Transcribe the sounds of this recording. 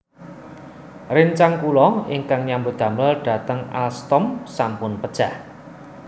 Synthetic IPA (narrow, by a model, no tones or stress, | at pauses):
rɪnt͡ʃaŋkulɔɪŋkaŋɲambo̤d̪̥ä̤mlalɖ̥ä̤t̪əŋalst̪ɔmsampʊnpəd̥ʒ̥a̤h